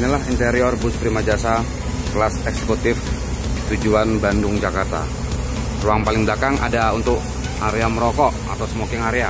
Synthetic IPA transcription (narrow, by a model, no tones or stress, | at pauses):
inilaɦint̪eɾiɔrbʊspɾimad͡ʒasa | klasɛksekut̪ɪf | t̪ud͡ʒuanbandʊŋd͡ʒakart̪a̰ | ruaŋpalɪŋblakaŋʔa̰daunt̪ʊk̚ | aɾeaməɾɔkɔʔa̰t̪awsəmokɪŋaɾea